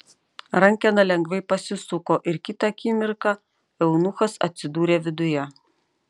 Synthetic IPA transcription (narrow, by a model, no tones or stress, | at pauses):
ɾɐŋʲkʲɛnɐlʲɛŋɡʋʲɛɪpɐsʲɪsʊkoːʔɪɾkʲɪt̪ɑkʲiːmʲɪɾkɑ | ɛʊnʊxɐsɐ̰t̪ʲsʲɪd̪uːɾʲeːʋʲɪd̪ʊjɛ